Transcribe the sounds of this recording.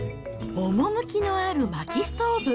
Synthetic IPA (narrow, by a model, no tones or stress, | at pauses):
omo̞mɯ̟kʲino̞aɾɯ̟makʲist̪oːbɯ̟